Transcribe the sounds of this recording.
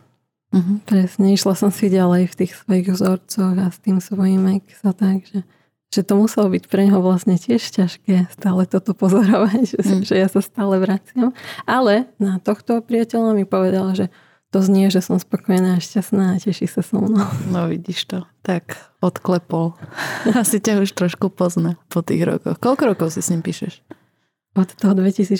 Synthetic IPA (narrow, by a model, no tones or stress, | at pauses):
ɦ̩pɾɛsɲɛiʃlasɔmsiɟalɛjft̪iːxsʋɔjiɣvzɔɾt͡sɔɣast̪iːmsʋɔjimɛksat̪aɡʒɛ | ʒ̥ɛt̪ɔmusɛlɔbicpɾɛɲɦɔʋlasɲɛcɪɛʃcaʃkɛːst̪aːlɛt̪ɔt̪ɔpɔzɔɾɔʋacʒɛjasast̪aːlɛʋɾat͡sɪamalɛnat̪ɔxt̪ɔpɾɪacɛʎamipɔʋɛd̪alaʒɛ | t̪ɔzɲɪɛʒɛsɔmspɔkɔjɛnaːʃcasnaːcɛʃisasɔmnanɔʋḭɟiʃt̪ɔt̪ak | ɔt̪klɛpɔlasicauʃt̪ɾɔʃkupɔznapɔt̪ḭːɣɾɔ̰kɔ̰xkɔlkɔɾɔkɔʊsisɲimpiːʃɛʃ | ɔt̪t̪ɔɦɔd̪ʋɛcisiː